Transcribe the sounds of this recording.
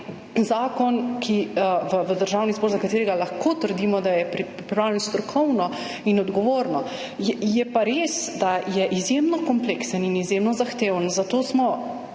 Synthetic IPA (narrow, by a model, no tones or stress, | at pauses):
zaːkɔnkʰiʋəʋəd̪əɾʒawnizbɔɾzakat̪eːɾɛɡalaxkoːt̪əɾd̪iːmɔd̪ajɛpɾipɾipɾipɾawlɛnst̪ɾɔkʰɔwnɔ | inɔd̪ɡɔʋoːɾnɔ | jɛjɛpaɾeːsd̪ajɛʔizjemnɔkɔmpleksəninizjemnɔzaxt̪eːwənzat̪oːsmɔ